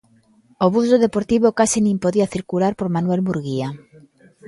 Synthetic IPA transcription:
oβusoðepoɾt̪iβ̞okasinĩmpoðiaθiɾkulaɾpoɾmanuelβuɾɣia

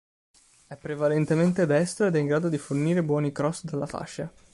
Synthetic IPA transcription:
ɛpːɾevalent̪ement̪ed̪ɛst̪ɾoed̪ɛiŋɡɾaːd̪od̪iforniːɾebwɔːnikɾɔsd̪alːafa̰ʃːa

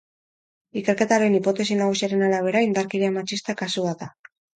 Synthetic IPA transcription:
ike̞ɾke̞t̪aɾe̞nipo̞t̪e̞sinaɣ̞usiaɾe̞naɾaβ̞e̞ɾaind̪aɾkiɾeamat͡ʃist̪akasuβaða

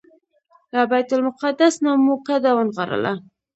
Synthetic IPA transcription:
labajt̪ʊlmʊqad̪asnamukad̪awənɣaɾə̰la̰

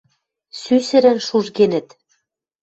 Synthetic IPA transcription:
sysɘ̆ɾɘ̆nʃuʒɡenɘ̆t̪

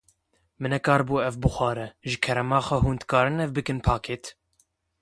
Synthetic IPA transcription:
mɨnɛkɑːɾbuːɛvbɨxʷɑːɾɛʒɨkʰɛɾɛmɑːxʷɛhuːnd̪kɑːɾɨnɛvbɨkɨnpʰɑːkʰeːt̪

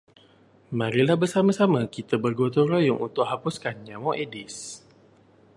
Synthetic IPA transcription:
mãɾilahbərsamasamakit̪abərɡot̪oɾojʊŋʔṵnt̪ʊʔɦapuskanɲamɔʔedis

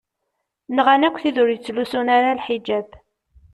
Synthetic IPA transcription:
nʁanækʷːθiðʊɾjət͡sːlusunaɾalħid͡ʒæb

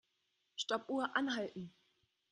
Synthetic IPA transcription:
ʃtɔpʔuːɐʔanɦaltn̩

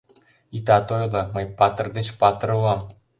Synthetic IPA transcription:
it̪ɑt̪ojlˠɤ̆mɤ̆jpɑt̪̆rd̪et͡ɕpɑt̪rɤʋɑm

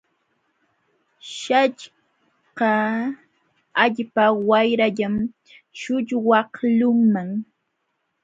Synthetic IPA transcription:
ʃat͡ʃ | qɑ | aʎpawajɾaʎam | ʃʊʎwɑhlʊŋmaŋ

